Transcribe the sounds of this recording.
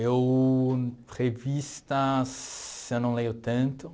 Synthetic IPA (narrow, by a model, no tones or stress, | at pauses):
ew | ʁevist̪ɐsewnɐ̃w̃lejʊt̪ɐ̃nt̪ʊ